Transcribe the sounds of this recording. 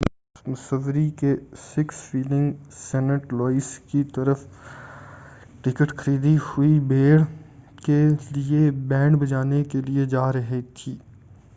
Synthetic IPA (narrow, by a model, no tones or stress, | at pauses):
d̪smʊsəʋɾikesɪksfiːlɪ̃ŋɡsɛːnəʈlɔːɪskit̪ɐɾəf | ʈɪkəʈxɐɾiːd̪ihʊibeːɽkeliebɛ̃ːɳɖbɐd͡ʒaːnekelied͡ʒaːɾɐɦet̪ʰiː